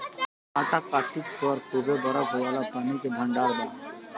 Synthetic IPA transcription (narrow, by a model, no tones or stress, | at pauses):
at̪akaʈit̪pəɾt̪ubʱeb̪əɾəkɦoʋalapaːnikebʱəɳɖaːɾd̪a